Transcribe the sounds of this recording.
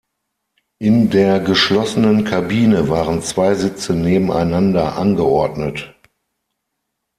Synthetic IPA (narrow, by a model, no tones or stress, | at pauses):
ʔɪndeːɐɡəʃlɔsənənkʰabiːnəvaːʁənt͡sv̥aɪzɪt͡səneːbm̩a̰ɪnandɐʔanɡəʔɔɐdnət